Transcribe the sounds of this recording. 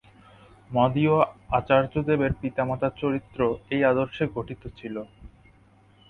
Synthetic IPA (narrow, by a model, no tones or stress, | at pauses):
mɔd̪ioat͡ɕaɾd͡ʑod̪ebeɾpit̪amat̪at͡ɕoɾit̪ːɾoejad̪oɾʃeɡʱoʈit̪ot͡ɕʰilo